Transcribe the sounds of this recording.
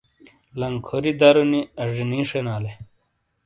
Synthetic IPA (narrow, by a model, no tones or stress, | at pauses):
lɐŋkʰoɾid̪ɐɾuniɐʐinĩːʂenaːle